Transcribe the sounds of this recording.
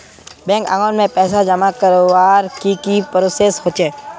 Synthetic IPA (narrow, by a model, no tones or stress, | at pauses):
bɛ̃ːŋkã̰ŋɔːnmẽpɛːsad͡ʒəmakəɾʋaːɾkikipɾoseːsɦoːt͡ʃeː